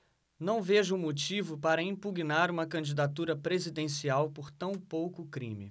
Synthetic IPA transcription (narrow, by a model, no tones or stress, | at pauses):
nɐ̃w̃veʒʊːmot͡ʃivʊpaɾɐĩpuɡinaɾũmɐkɐ̃d͡ʒid̪at̪uɾɐpɾezid̪ẽsiawpoɾt̪ɐ̃w̃powkʊkɾḭ̃mɪ̰